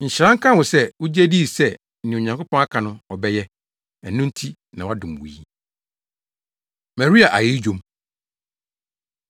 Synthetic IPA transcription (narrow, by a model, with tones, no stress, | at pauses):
ɲ̩˨ɕɾã˦ŋ̩˦kʰã˦˨wʊ̃˨sɛ˦wʊ˦d͡ʑɛ˦di˦˨sɛ˦ | n̩˨nɪ̃˨o˨ɲã˨ŋkʰo˦pʰɔ̃˦ŋa˦kʰã˨nʊ̃˦ɔ˨bɛ˦jɛ˦ | ɛ˨nːʊ̃˦n̩˦tʰi˦ | nã˨wa˦dʊ̃˨m˨wṵ˨ji˦ | ma˨ɾi˦a˨ʔa˨jɪ˦d͡ʑᶣo˦m